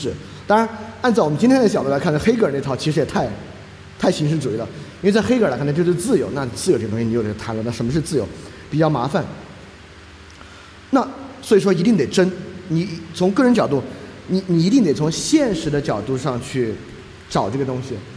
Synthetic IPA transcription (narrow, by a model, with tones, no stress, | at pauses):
ɻ̩˨˩˦ | t̪ɑ˥ɻa˧˥na˥˧nt͡swɔ˨m˦nt͡ɕi˥nʰjɛ˥ə˩t͡ɕɑ˨˩d̪u˥˩a˧˥kʰna˥˩xe˥ɪk̬ə˞˨˩ne˥˩ɑ˧˥ʊt͡ɕʰi˧˥ʂɻjɛ˨˩t̪ʰa˥˩˧ɪ | t̪ʰa˥˩ɪɕi˧˥ŋʂɻ̩˧˥ʈ͡ʂu˨˩i˥d̪ə˩i˥˧t͡sa˥˧ɪxe˥ɪk̬a˥k̪ʰt͡ɕo˥˧˩ʂt͡sɹ̩˥˩jo˧˥ʊna˥˩ni˨˩t͡sɹ̩˥˩jʊʈ͡ʂt̪ʊ̃˥ɕi˨˩ni˧˥˩t̪ʰa˧˥nlə˧˩a˥˩ʂə˧˥mə˧ʂɻ̩˥˧t͡sɹ̩˥˩jo˧˥ʊ | pi˨˩t͡ɕjɑ˥˩ʊma˧˥fa˨˩˦n | na˥˩swɔ˧˥i˨˩ʂ̬wɔ˥i˧˥t̪i˥˩ŋt̪e˨˩ɪʈ͡ʂə˥nni˧˩t͡sʰʊ˧˥ŋkɤ˥˩ɻə˧˥nt͡ɕjɑ˨˩ʊt̪u˥˩ni˧˩ni˨˩i˧˥t̪i˥˩ŋt̪e˨˩ɪt͡sʰʊ˧˥ŋɕjɛ˥˩nʂɻ̩˧˥d̪ə˧t͡ɕjɑ˨˩ʊt̪u˥˧ʂɑ˥˧ŋt͡ɕʰy˥˩ | ʈ͡ʂɑ˨˩ʊʈ͡ʂɤ˥˩ɡə˩ʊ˥ŋɕi˨